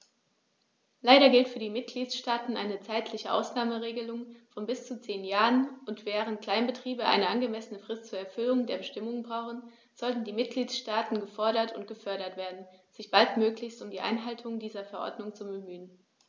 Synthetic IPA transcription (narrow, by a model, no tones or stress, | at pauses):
laɪɾɐɡɪltfyːɐdiːmɪt̚ɡ̥liːtʃtaːtn̩ʔa̰ɪnət͡saɪtʰlɪçəʔa̰ʊsnaːməʁeːɡəlʊŋfɔnbɪst͡sut͡seːnjaːʁənʊntv̥ɛːʁ̞ənt̚kl̥aɪnbətʁ̥iːbəʔa̰ɪnəʔanɡəmɛsənəfʁ̥ɪstt͡suːɐɛɐfʏlʊŋdeːɐbəʃtɪmʊŋbʁaʊχn̩ | z̥ɔltn̩diːmɪt̚ɡ̥liːtʃtaːtn̩ɡəfɔɐɾɐtʰʊ̰ntɡ̥əfœɐɾɐtv̥eːɐdn̩z̥ɪçb̥altmøːklɪçstʊmdiːʔa̰ɪnɦaltʰʊŋdiːzɐfɛɐʔɔ̰ɐdnʊŋt͡subəmyːən